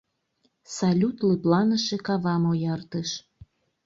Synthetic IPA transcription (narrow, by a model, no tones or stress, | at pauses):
sɑlʲut̪ləplɑnəʃekɑβɑmojɑrt̪əʃ